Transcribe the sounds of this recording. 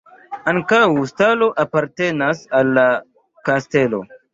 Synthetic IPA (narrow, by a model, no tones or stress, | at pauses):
aŋkawstalo̞ʔapaɾte̞nasalːa | kaste̞lo̞̰